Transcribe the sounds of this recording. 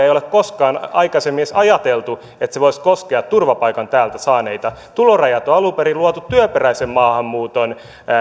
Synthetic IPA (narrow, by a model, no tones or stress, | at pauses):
eijolekkoskɑːnɑ̰ikɑsemːiesɑjɑt̪elt̪u | et̪seʋoiskoskeɑt̪t̪urʋɑpɑikɑnt̪æːlt̪æsɑːneit̪ɑt̪ulorɑjɑt̪oɑlupeɾiluɑt̪ut̪ːyøperæisemmɑːhɑmːuːt̪on